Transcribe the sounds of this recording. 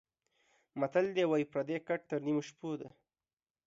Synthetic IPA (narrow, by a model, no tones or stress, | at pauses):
mat̪ald̪ewajpɾad̪ekaʈ̚t̪əɾnimoʃpod̪a̰